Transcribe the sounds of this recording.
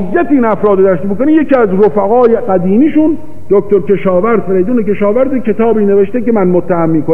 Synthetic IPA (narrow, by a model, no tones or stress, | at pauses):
jːæt̪ʰiiːnæfɾɒːd̪od̪æʃt̪imikoniːmjekiːæzɾofæɣɒːjeɢæd̪iːmiːʃun | d̪ok̚t̪oɾkʰe̞ʃɒːvæɾd̪̥feɾejd̪uːnekeʃɒːvæɾd̪ekʰe̞t̪ʰɒːbiːneveʃt̪ekemænmot̪ʰːæhæmːiːko